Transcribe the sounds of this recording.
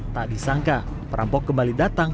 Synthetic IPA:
t̪aʔdisaŋka | pəɾʔa̰mpɔkːəmbalidat̪aŋ

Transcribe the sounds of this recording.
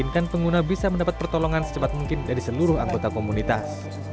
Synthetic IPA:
inkanpəŋɡunabisaməndapat̪̚pərt̪olɔŋansə̥t͡ʃəpat̪̚muŋkɪndaɾisəluɾʊɦaŋɡot̪akomunit̪as

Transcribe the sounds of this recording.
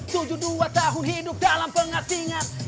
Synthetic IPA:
t̪ud͡ʒʊhduat̪aɦʊnɦidʊp̚dalampəŋat̪iŋat̪̚

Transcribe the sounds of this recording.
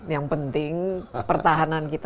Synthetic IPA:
jaŋpənt̪ɪŋpərt̪aɦanankit̪

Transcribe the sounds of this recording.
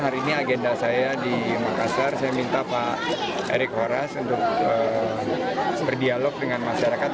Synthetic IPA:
ɦaɾiːniaɡendasajadimakasarsajamint̪apa | ḛɾɪk̚hoɾasunt̪ʊk̚ə | bərdialɔk̚dəŋanmaʃaɾakat̪̚

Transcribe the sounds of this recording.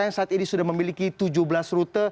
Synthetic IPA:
ajaŋsaat̪inisudahməmilikit̪ud͡ʒuhbəlasɾut̪ə

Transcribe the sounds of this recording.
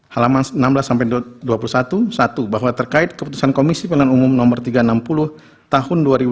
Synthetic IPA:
halamansnamblasːampajduapulusat̪usat̪ubaɦwat̪ərkaɪt̪̚kəput̪usankomisipəlanumumnɔmərt̪iɡaənampulʊh | t̪aɦʊnduaɾib

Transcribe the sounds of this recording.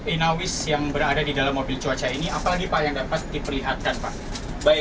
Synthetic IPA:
inawɪsjaŋbəɾadadidalamːobɪlt͡ʃuat͡ʃainiapalaɡipaʔjaŋdapat̪̚dipərliɦat̪̚kanpaʔ | ba

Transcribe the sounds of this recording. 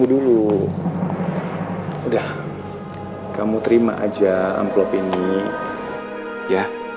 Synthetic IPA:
udulu | udah | kamut̪əɾima̰ʔa̰d͡ʒaa̰mplɔpini | ja

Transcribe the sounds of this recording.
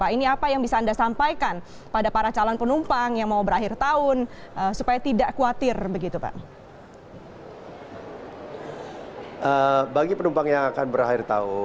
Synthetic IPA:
paʔiniapajaŋbisaːndasampajkan | padapaɾat͡ʃalanpənumpaŋjaŋmaubəɾaɦɪrt̪aʊnəsupajat̪idaʔkuat̪ɪrbəɡit̪upa̰ʔ | ʔəbaɡipənumpaŋjaŋakanbəɾahɪrt̪aʊ

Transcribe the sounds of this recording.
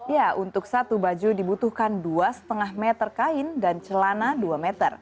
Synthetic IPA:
jaunt̪ʊksat̪ubad͡ʒudibut̪uhkanduasə̥t̪əŋahmɛt̪ərkaɪndant͡ʃəlanaduamɛt̪ər

